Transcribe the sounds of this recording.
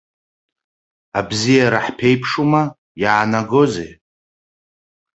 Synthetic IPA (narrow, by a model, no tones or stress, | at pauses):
abzijaɾaħpʰe̞jpʰʂuma | jaːnaɡo̞zḛ